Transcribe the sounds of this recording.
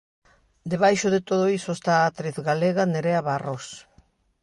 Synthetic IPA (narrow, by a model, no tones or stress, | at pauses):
d̪eβajʃoðet̪oðojso̞st̪aːt̪ɾeθɡaleɣaneɾeaβaros